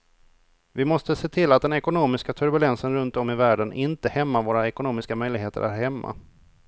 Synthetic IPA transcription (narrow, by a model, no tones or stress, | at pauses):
vɪmɔst̪əseːt̪ʰɪlːat̪̚d̪ɛnɛkʊnoːmɪskat̪ʰɵɾbɵlɛnsənɾɵnt̪ɔmːɪvæːɖənʔɪnt̪əhɛmːavoːɾaɛkʊnoːmɪskamœjlɪɡɦeːt̪ə̰ɾʔæɾhɛmːa̰